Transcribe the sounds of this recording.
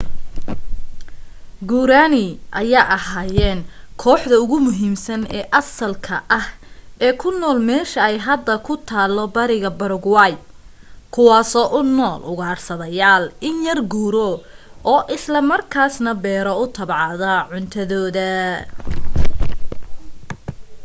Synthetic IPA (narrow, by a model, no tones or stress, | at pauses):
ɡuːɾaːnɪʔɐjaːʔɐɦaːjɛːnkʰɔːħðɐʊɣʊmʊɦiːmsɐnɛːʔɐsɐlkʰɐʔɐhɛːkʰʊnːɔːlmɛːʃɐɛjɦɐd̪ːɐkʰʊt̪ʰaːlɔbɐɾɪɣɐbɐɾʊɡwaːj | kʰʊwaːsɔːʔʊnːɔːlʔʊɣaːrsɐðɐjaːlɪnjɐrɡuːɾɔʔɔːʔɪslɐmɐrkʰaːsnɐbɛːɾɔʊt̪ʰɐbʕɑðɐʕʊnt̪ʰɐðɔːðɐ